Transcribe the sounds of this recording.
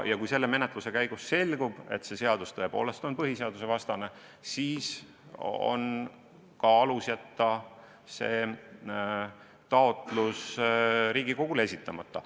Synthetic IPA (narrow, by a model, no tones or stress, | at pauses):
jɑkujse̞lːe̞me̞net̪ˑluse̞kæjɡ̥usːe̞lʲɡ̥ub̥e̞̰t̪se̞seɑd̪̥ust̪ɤe̞po̞̰ːle̞st̪o̞npɤɦise̞ɑd̪̥use̞vɑst̪ɑne̞ | siːs | o̞̰n | kɑɑlusjɑt̪ːˑɑ | se̞ː | t̪ɑo̞t̪ˑlusɾiːɡiko̞ɡ̥ule̞sʲit̪ˑːɑmɑt̪ːˑɑ